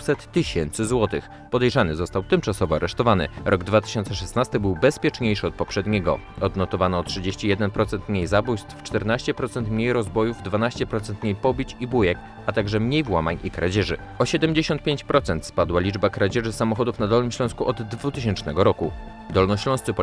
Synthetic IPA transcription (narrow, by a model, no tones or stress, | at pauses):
sɛt̪ːɘɕɛnt̪sɘzwɔt̪ɘx | pɔd̪ɛjʐanɘzɔst̪awt̪ɘmt͡ʂasɔvɔaɾɛʂt̪ɔvanɘ̰ɾʔɔɡd̪vat̪ɘ̥ɕɔnt̪sɛʂɛsnast̪ɘbɘwbɛspʲjɛt͡ʂɲejʂɘɔt̪̚pɔpʂɛd̪ɲɛɡɔ̰ɔd̪nɔt̪ɔvanɔtʂɘd͡ʑeɕt͡ɕijɛd̪ɛnpɾɔt̪sɛnt̪mɲejzabujst̪ft͡ʂt̪ɛɾnaɕt͡ɕɛpɾɔt̪sɛnt̪mɲejɾɔzbɔjuvd̪vanaɕt͡ɕɛpɾɔt̪sɛnt̪mɲejpɔbʲit͡ɕibujɛk | at̪aɡʐɛmɲejvwamaɲikɾa̰d͡ʑɛʐɘ | ɔɕɛd̪ɛmʲd͡ʑeɕɔnt̪̚pʲeɲt͡ɕpɾɔt̪sɛnt̪spad̪walʲid͡ʐbakɾad͡ʑɛʐɘsamɔxɔd̪ufnad̪ɔlnɘmɕlɔ̃w̃skuʔɔd̪ːvut̪ɘɕ̬ɛnt͡ʂnɛɡɔɾɔku | d̪ɔlnɔɕlɔ̃st̪sɘpɔ